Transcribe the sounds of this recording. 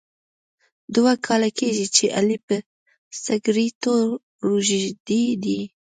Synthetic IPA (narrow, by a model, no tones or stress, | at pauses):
d̪ʊwakʰɑlakeʒit͡ʃeʔalipə | saɡɾit̪oɾ | ɾuʒiʒd̪id̪i